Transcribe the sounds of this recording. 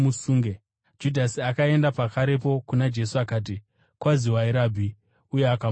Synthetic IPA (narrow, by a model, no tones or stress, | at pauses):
musuːŋɡe | d͡ʒudʱasiakae̞ndapakaɾe̞po̞kunad͡ʒe̞suakaːt̬i | kwaziwaiɾaːbʱi | uje̞aka